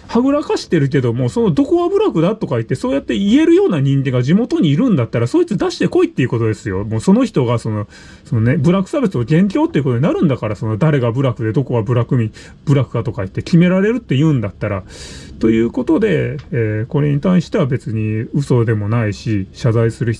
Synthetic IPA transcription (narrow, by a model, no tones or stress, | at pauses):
haɡɯ̟ɾakaɕi̥t̪e̞ɾɯ̟k̬e̞d̪o̞mo̞so̞no̞d̪o̞ko̞βabɯ̟ɾakɯ̟d̪at̪o̞kait̪ːe̞so̞ːjat̪ːe̞ie̞ɾɯ̟jo̞ːnaɲ̟ĩŋɡẽ̞ŋɡaʑimo̞t̪o̞ɲ̟iːɾɯ̟̃nd̪at̪ːaɾaso̞ːit͡sɨd̪aɕi̥t̪e̞ko̞it̪ːe̞iɯ̟kot̪o̞d̪e̞sɨjo̞mo̞ːso̞no̞çi̥t̪o̞ɡaso̞no | so̞none̞bɯ̟ɾakɯ̥saːbe̞t͡sɨoɡẽ̞ŋk̬ʲo̞ːt̪ːeiɯkot̪oɲinaɾɯ̟̃nd̪akaɾaso̞nod̪aɾe̞ɡabɯ̟ɾakɯ̟d̪e̞d̪o̞ko̞βabɯ̟ɾakɯ̟mʲi | b̥ɯ̟ɾakɯ̟d̪at̪o̞kait̪ːe̞kʲime̞ɾaɾe̞ɾɯ̟t̪ːe̞jɯ̟ːnd̪at̪ːaɾat̪o̞jɯ̟ːko̞t̪o̞d̪e̞ː | ko̞ɾe̞ɲ̟it̪aiɕi̥t̪e̞abe̞t͡sɨɲ̟iɯ̟so̞d̪e̞mo̞naiɕiɕazaisɨɾɯ̟ç